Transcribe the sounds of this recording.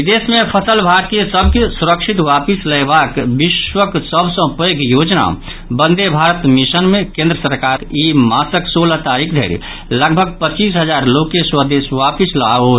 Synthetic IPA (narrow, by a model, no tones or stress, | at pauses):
d̪esmẽpʰəsəlbʱaɾkesəbʱkesuɾəkʃʰit̪ʋapisləjbakbiʃwəksəbʱsə̃pəɡjoːd͡ʒna̰ | bə̃nd̪ʱebʱaɾət̪misənmẽkẽːnd̪ɾəsəɾkaɾimaːsəksoːlat̪aɾikʰd̪ʱḛɾḭ | ləɡ̚bʱəɡ̚pət͡ʃiːsɦəd͡ʒaːɾlokeswəd̪esʋapisla̰o